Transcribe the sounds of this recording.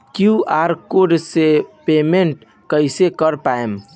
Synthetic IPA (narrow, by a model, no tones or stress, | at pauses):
kjuaɾkoɾɖsepemeɳʈ | kəɪsekəɾpaem